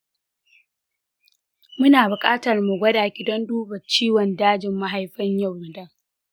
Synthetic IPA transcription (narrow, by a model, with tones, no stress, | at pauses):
mʊ˦naː˨bʊ˨kʼaː˦tɐ˨rmu˨ɡʷɐ˦daː˨ɡʲɪ˨dɔ˦nduː˦bɐ˨t͡ʃiː˦wɔ˨ndaː˦d͡ʒɪ˨mːa˦ɦa˦jɸɐ˦ɲjɐ˦˨wːʊ˨dɐ˦ŋ